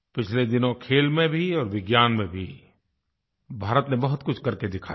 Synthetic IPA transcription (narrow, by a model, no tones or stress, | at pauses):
pɪt͡ʃʰled̪ɪnõkʰeːlmẽbʱiɔːɾʋɪɡjaːnmẽbʱi | bʱaːɾət̪nẽbɐɦʊt̪kʊt͡ʃʰkɐɾked̪ɪkʰa̰